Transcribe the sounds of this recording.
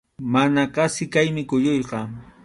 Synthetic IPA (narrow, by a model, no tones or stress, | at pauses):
manaqɑsɪkajmɪkojojqɑ